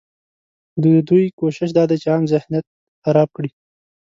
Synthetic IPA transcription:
d̪d̪ujkoʃɪʃd̪ɑd̪et͡ʃeɑmzɪhnjat̪̚ | xaɾɑb̚kɽi

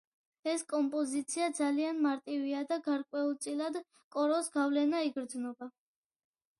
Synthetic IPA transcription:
ɛskʼɔmpʼɔzit̪sʰiad̪zalianmaɾt̪ʼiviad̪aɡaɾkʼwɛulˠt̪sʼilad̪ | kʼɔɾɔsɡavlɛnaiɡɾd̪znɔba

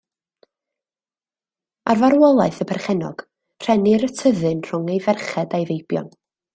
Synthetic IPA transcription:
arvaɾwɔlˠaɨθəpʰɛrχɛnɔ̰ɡ̥ | r̥ɛnɪɾətʰəðɨnr̥ʊŋejvɛrχɛdajvejbjɔ̰n

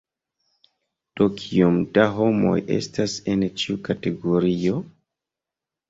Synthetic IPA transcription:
d̥okʰiomdaɦo̞mo̞̰je̞̰stasent͡ʃiukate̞ɡoɾio̞

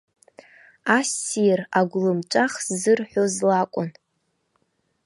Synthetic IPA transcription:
asiraɡʷlɨmt͡ʃʷʼaχsːɨrħʷᶣozlakʷʼʊn

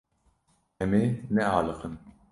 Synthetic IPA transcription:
ʔɛmeːnɛɑːlɨqɨn

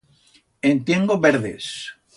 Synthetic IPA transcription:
ẽnt̪jeŋɡoβeɾðḛs

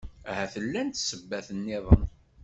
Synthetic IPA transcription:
æhæθəlːænt̪səbːæθənːɪðˤən

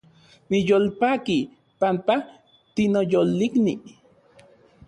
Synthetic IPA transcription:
nijoːlpaːki | pampa | t̪inojolːiknḭ

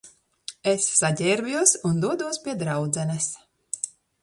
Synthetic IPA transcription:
esːaɟʲɛːɾbʲuɔsund̪uɔd̪uɔspʲiɛd̪ɾawd̪zɛnɛs

